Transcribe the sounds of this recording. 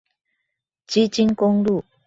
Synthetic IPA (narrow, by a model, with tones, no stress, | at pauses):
t͡ɕi˥t͡ɕi˥nkʊ˥ŋlu˥˨